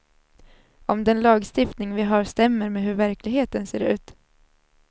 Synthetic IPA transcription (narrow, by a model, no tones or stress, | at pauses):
ɔmd̪ɛnlɑːɡst̪ɪft̪nɪŋvɪɦɑːɾst̪ɛmːəɾmeːɦɵɾvæɾklɪɡɦeːt̪ənseːɾʉ̟ːt̪